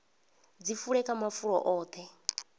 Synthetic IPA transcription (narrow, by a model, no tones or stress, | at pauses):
d͡zifuɺɛkʼamafuɺɔ̰ʔɔːt̪ʰɛ